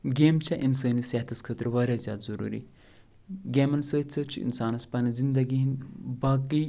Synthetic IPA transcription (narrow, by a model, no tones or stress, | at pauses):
ɡeːmt͡ʃʰɐʔinsəːnisɐɦɐt̪ʰɐskʰəːt̪ɾʋɐɾʲaːzʲjaːd̪zɐɾṵːɾḭ | ɡeːmɐnsəːt͡sʰɐt͡ʃʰuḭnsaːnɐspɐnɐzind̪ɐɡiɦinbaːki